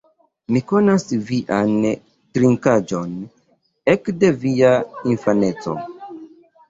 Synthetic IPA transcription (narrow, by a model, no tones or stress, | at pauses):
miko̞nasviʔan | tɾiŋkad͡ʒo̞n | ekde̞viainfane̞t͡so̞̰